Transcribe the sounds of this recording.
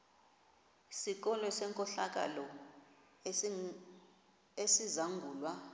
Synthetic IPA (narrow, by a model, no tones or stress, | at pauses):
sik̬ɔlɔsɛŋkʼɔɬak̬ʼa̰lɔ | esizaŋɡʱuːlwa